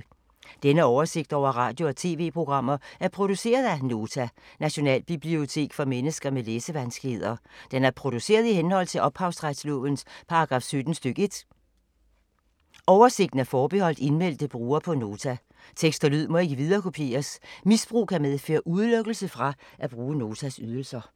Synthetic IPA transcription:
d̥enəɒʊɐse̝ɡ̥d̥ɒʊ̰ɐʁɑ̈ːd̥jo̝ɒt͡sʰe̝̰ːʋe̝̰ːpʰʁo̝ɡ̥ʁɑ̈m̰ɐæɐpʰʁo̝d̥use̝̰ːɐð̞ˠæno̝ːt͡sʰænæɕo̝nɛ̰ːlb̥ib̥lio̝t͡sʰe̝̰ːɡ̥fɒ̽menəsɡ̥ɐmeleːsəʋænsɡ̥le̝ð̞̰ˠɐd̥enæɐpʰʁo̝d̥use̝̰ːɐðˠihenhɒ̽l̰t͡sʰe̝lʔɒ̽b̥hɑ̈ʊsʁad̥slɔ̰̽ːʋnspʰɑ̈ɑ̈ɡ̥ʁɑ̈fsød̥n̩sd̥øɡ̥e̝d̥ | ʔɒʊɐse̝ɡ̥̚d̥n̩æɐfɒːb̥e̝hɒ̽l̰d̥e̝nmel̰d̥əb̥ʁuːɐpʰɒ̽no̝ːt͡sʰæ | t͡sʰeɡ̥sd̥ɐlyð̞̰ˠmɒ̽e̝ɡ̥əʋið̞ˠɐːkʰo̝pʰje̝̰ːɐsmisb̥ʁṵːkʰæmeðˠfø̰ːɐʔuðˠløɡ̥l̩səfʁɑ̈ʔæb̥ʁuːəno̝ːt͡sʰæsyð̞ˠl̩sɐ

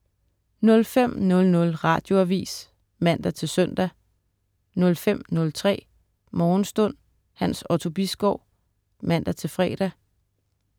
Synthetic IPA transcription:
nɔ̽lfem̰nɔ̽lnɔ̽lʁɑ̈d̥jo̝æʋḭːs | mæn̰d̥ɐt͡sʰe̝lsœn̰d̥æ | nɔ̽lfem̰nɔ̽lt͡sʰʁɛ̰ː | mɒːn̩sd̥ɔ̽n̰ | hænsɒt͡sʰo̝b̥isɡ̥ɒʊ | mæn̰d̥ɐt͡sʰe̝lfʁɛːd̥æ

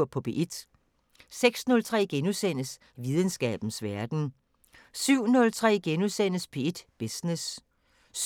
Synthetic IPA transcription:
ɐpʰɒ̽pʰe̝ʔe̝d̥ | seɡ̥snɔ̽lt͡sʰʁɛ̰ːɡ̥enusen̰əs | ʋið̞ˠənsɡ̥ɛ̰ːb̥n̩sʋæɐd̥n̩ | syʊ̰nɔ̽lt͡sʰʁɛ̰ːɡ̥enusen̰əspʰee̝d̥b̥esnes

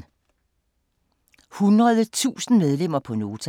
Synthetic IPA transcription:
hunʁɐð̞ˠət͡sʰṵːsn̩með̞ˠlem̰ɐpʰɒ̽no̝ːt͡sʰ

